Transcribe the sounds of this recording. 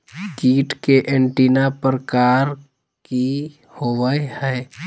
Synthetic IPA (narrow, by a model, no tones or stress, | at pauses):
kiːʈkeʔeɳʈiːnapəɾəkaːɾ | ki | hoʋəhɛː